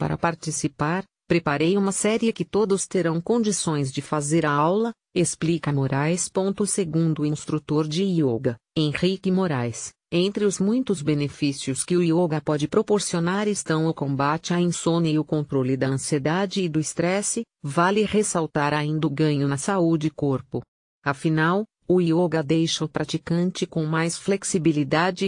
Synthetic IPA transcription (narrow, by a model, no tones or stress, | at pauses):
pa̰ɾɐ̰paɾt͡ʃisipaɾ | pɾepaɾejũmɐsɛɾiɪkɪt̪od̪ʊst̪eɾɐ̃w̃kõd͡ʒisõj̃zd͡ʒɪfazeɾaawlɐ | esplikɐmoɾajspõnt̪ʊseɡũnd̪ʊĩst̪ɾut̪oɾd͡ʒɪioɡɐẽj̃ʁikɪmoɾajs | ẽnt̪ɾɪʊzmũj̃t̪ʊzbenefisiʊskɪʊioɡɐpɔd͡ʒɪpɾopoɾsionaɾɪst̪ɐ̃w̃ʊkõbat͡ʃɪaĩsõnɪʊkõnt̪ɾolɪd̪ɐɐ̃sied̪ad͡ʒɪːd̪ʊɪst̪ɾɛsɪ | valɪhesawt̪aɾaĩnd̪ʊɡɐ̃ɲʊnɐsaud͡ʒɪkoɾpʊ | ɐfinaw | ʊioɡɐd̪ejʃɐʊpɾat͡ʃikɐ̃t͡ʃɪkõmajsfleksibilid̪ad͡ʒɪ